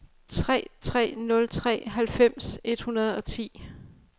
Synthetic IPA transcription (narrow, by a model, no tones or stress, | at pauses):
t͡sʰʁɛ̰ːt͡sʰʁɛ̰ːnɔ̽lt͡sʰʁɛ̰ːɦælfem̰se̝d̥hunɐð̞ˠɒ̽t͡sʰḭː